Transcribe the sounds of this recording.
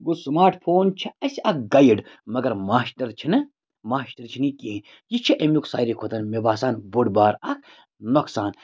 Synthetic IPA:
ɡusmaːɾʈpʰoːnt͡ʃʰiɐsiʔɐk̚ɡɐjiɖmɐɡɐɾmaːsʈɐɾt͡ʃʰinɐ | maːsʈɐɾt͡ʃʰinikiɦe | jit͡ʃʰiʔemʲuksa̰ːjɾikʰot̪ɐnmebaːsaːnboɖbaːɾɐk̚ʰ | noksaːn

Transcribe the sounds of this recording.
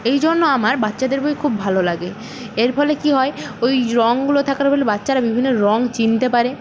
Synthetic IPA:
ejd͡ʑonːoamaɾbat̪ːɕad̪eɾboikʰubːʱalolaɡe | eɾfʰɔlekiɦɔeojɾɔŋɡulot̪ʰakaɾbolebat̪ːɕaɾabibʱinːoɾɔŋt͡ɕint̪epaɾe

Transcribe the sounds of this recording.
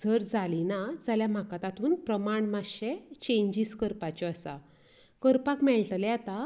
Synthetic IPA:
d͡zʱəɾd͡zalinad͡zaljam̤akat̪at̪uːnpɾəmaɳmaɕet͡ɕẽɲd͡ʑiskəɾpat͡ɕɔəsa̰ | kəɾpakmɛɭʈlɛat̪a

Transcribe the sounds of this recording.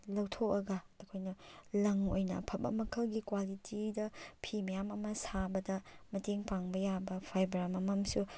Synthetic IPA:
lɐwtʰok̚ɐɡɐtɐkʰojnɐlɐŋojnɐ̰pʰɐbɐ̰mɐkʰɐlɡikwalitʰidɐpʰimɐjamɐmɐsabɐdɐmɐteŋpaŋbɐjabɐpʰajbɐɾamɐmɐmsu

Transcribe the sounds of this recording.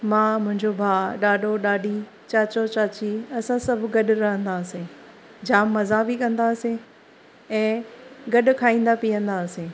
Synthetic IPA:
mãːmʊ̃ɦɪ̃ɲd͡ʑobʱaːɗaːɗoɗaːɗi | t͡ɕaːt͡ɕot͡ɕaːt͡ɕiɐsãsɐbʱɡɐɗɾɐɦə̃nd̪aːsẽ | d͡ʑaːmːɐzabikɐ̃nd̪aːsẽ | ɛ̃ːɡɐɗkʰaːĩːn̆d̪apijə̃nd̪aːsẽ

